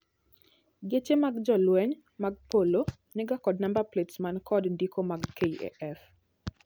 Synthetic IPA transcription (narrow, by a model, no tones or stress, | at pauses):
ɡet͡ʃemaɡd͡ʒɔlwɛɲ | maɡ̚polo | nɛɡakɔdnambapletsmankʰɔdndikomaɡkeiɛ̰ʔɛf